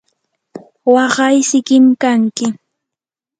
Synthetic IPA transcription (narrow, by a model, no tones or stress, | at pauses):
wɑɢɑjsɪkɪmkaŋkɪ